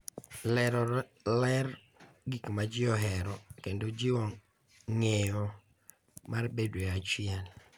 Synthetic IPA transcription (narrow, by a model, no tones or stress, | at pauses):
lɛɾɔlɛr | ɡikmad͡ʒɪɔɦɛɾɔkendod͡ʒɪwɔ | ŋejɔ | marbedweat͡ʃɪjɛl